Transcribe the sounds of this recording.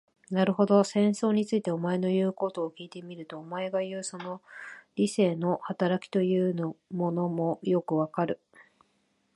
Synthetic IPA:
naɾɯ̟ɦo̞d̪o̞sẽ̞ɰ̃so̞ːɲ̟it͡sɨit̪e̞o̞mae̞no̞jɯ̟ːko̞t̪o̞ːkʲiːt̪e̞mʲiɾɯ̟t̪o̞ːmae̞ɡajɯ̟ːso̞no̞ɾʲise̞ːno̞hat̪aɾakʲi̥t̪o̞jɯ̟ːnomo̞no̞mo̞jo̞kɯ̟βakaɾɯ̟

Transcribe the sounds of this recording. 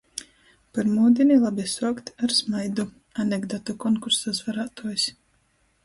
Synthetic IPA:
paɾmuːd̪ʲinʲilˠabʲisuɔkt̪ʲaɾsmajd̪u | anʲɛɡd̪ɔt̪ɔkɔnkuɾsazvaɾaːt̪uɔsʲ

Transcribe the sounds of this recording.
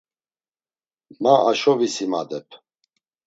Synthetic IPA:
maʔaʃɔvisimad̪ɛpʰ

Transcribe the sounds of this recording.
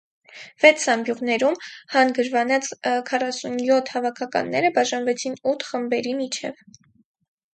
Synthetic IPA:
v̥ɛt͡sʰɑmbjuʁnɛɾumhɑnɡəɾvɑnɑt͡skʰɑrɑsunjɔt̪ʰhɑvɑkʰɑkɑ̰nːɛɾəbɑʒɑnvɛt͡sʰinut̪ʰχəmbɛɾimit͡ʃʰɛv

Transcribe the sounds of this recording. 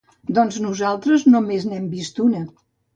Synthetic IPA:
d̪ɔnznuzalˠt̪ɾəznomeznɛmbist̪unə

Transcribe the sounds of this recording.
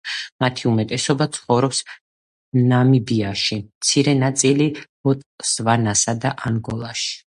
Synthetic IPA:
mat̪ʰiumɛt̪ʼɛsɔbat̪sʰχɔvɾɔps | namibiaʃimt̪sʰiɾɛnat̪sʼili | ɔt̪ʼsvanasad̪aʔaŋɡɔlˠaʃi̥

